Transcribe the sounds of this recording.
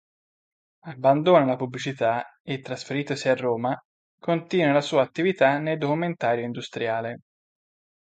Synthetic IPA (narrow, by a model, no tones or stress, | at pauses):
abːand̪oːnalapublit͡ʃit̪aet̪ːɾasfeɾiːt̪osiarːoːma | kont̪iːnwelasuːaːt̪ːivit̪anejd̪okument̪aːɾjoind̪ust̪ɾjaːle